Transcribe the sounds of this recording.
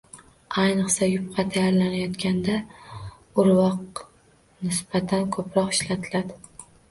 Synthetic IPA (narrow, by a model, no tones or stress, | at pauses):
ajnɨqsajʊp̚qʰɑt̪ʰajaɾlanajɒt̪kʲand̪a | ʊɾwɒq | nɪsb̥at̪ʰankʰɵpɾɒqɪʃlat̪ʰɪlad̪ɪ